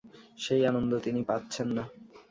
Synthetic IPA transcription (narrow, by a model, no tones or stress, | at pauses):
ʃejanond̪ot̪inipat̪ːɕʰenːa